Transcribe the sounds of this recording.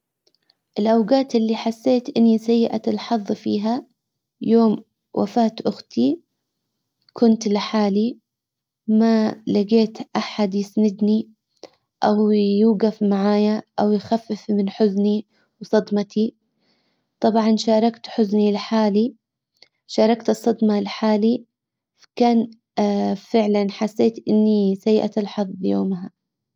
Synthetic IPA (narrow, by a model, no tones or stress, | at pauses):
ʔɪlʔawɡaːt̪ɪlːiħasːeːt̪ʔɪnːisajːɪʔaɪlħɑðˤːfiːɦa | joːm | wʔa̰faːt̪ʔʊxt̪ʰi | kʰʊnt̪lɪħaːli | malaɡeːt̪ʔaħad̪jɪsnɪd̪ni | ʔawjuːɡafmaʕaːjaʔawjxafːɪfmɪnħʊzni | wsˤɑd̪mɑt̪ʰi | t̪ˤɑbʕɑnʃɑːɾˤɑkt̪ħʊznilħaːli | ʃɑːɾˤɑkt̪ɨsˤːɑd̪mɑlħaːli | fḁkaːn | fɪʕlanħasːeːt̪ʔɪnːisajʔa̰t̪alħɑðˤjoːmɦa